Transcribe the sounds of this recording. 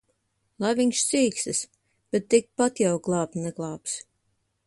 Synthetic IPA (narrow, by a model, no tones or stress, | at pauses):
lˠajviɲʲʃsiːksɨs | b̥ɛt̪ːik̚pat̪jawɡlˠɑːp̪nɛɡlˠɑːps